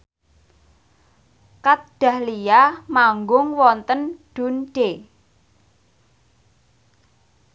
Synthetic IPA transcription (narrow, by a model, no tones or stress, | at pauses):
kat̪̚ɖ̥a̤hlijamaŋɡʊŋwɔnt̪ənɖ̥ṳnɖ̥e